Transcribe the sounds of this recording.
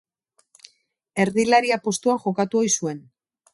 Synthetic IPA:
e̞ɾðilaɾiapo̞st̪uaxo̞kat̪uo̞jsue̞n

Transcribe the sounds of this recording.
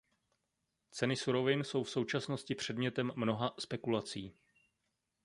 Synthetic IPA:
t͡sɛnɪsuɾo̞vɪnso̞wfso̞wt͡ʃasno̞scɪpr̝̥ɛdmɲɛt̪ɛmːno̞ɦaspɛkulat͡siː

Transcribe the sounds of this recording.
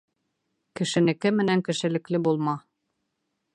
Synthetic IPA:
kɘ̆ʃɘ̆nɘ̆kɘmɘ̆næŋkɘ̆ʃɘ̆lɘ̆klɘbulˠmɑ

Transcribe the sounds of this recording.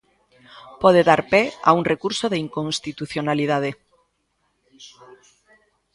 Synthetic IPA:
pɔð̞eðaɾpea̰uŋrekuɾsoðeiŋkõnst̪it̪uθjonaliðað̞e

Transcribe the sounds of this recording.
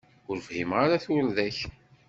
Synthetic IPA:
ʊɾvhimʁaɾaθʊɾðæç

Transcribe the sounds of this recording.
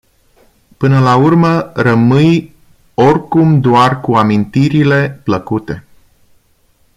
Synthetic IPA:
pɨnəlaurmərəmɨj | orʲkumd̪oarkuamint̪iɾile̞pləkut̪e̞

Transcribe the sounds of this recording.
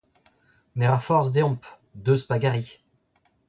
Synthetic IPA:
nɛʁãfɔʁzd̪eɔ̃p | d̪øspaɡaʁi

